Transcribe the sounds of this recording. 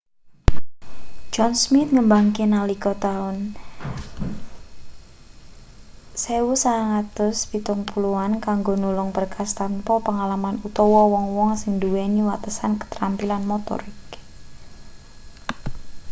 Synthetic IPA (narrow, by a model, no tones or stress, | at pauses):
d͡ʒɔnsmɪt̪̚ŋəmbaŋkenalikɔt̪aʊn | seusaŋat̪ʊspit̪ʊŋpuluankaŋɡonulʊŋbərkʰast̪anpɔpəŋalamanut̪ɔwɔwɔŋwɔŋsɪŋduweniwat̪əsankə̥t̪ɾampilanmɔt̪ɔ̰ɾɪk